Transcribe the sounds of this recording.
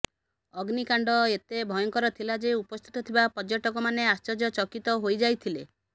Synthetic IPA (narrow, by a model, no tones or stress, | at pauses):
ɔɡnikaɳɖɔet̪ebʱɔjɔŋkɔɾɔt̪ʰilad͡ʒeupɔst̪ʰi̥t̪ɔt̪ʰibapɔd͡ʒoʈɔkɔmaneast͡ʃɔd͡ʒɔt͡ʃɔkit̪ɔɦojd͡ʒajt̪ʰile